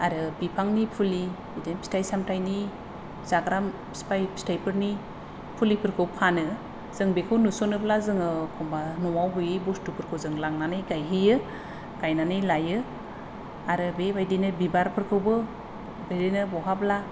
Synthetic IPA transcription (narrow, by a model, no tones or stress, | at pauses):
aɾɯbipʰaŋnipʰuli | idenpi̥stajsamtajni | z̥aɡɾam | spajpʰstajpʰɯɾni | pʰulipʰɯɾkʰɯwpʰanɯ | z̥ɯŋbekʰɯwnusɔnɯblazɯŋɯkʰɔmbanɔwawɦujɯjbɔstupʰɯɾkʰɯwzɯŋlaŋnanɯjɡajɦijɯ | ɡ̥ajnanɯjlajɯ | aɾɯbebajdenɯbibaɾpʰɯɾkʰɯwbɯ | bajdenɯbɔɦabla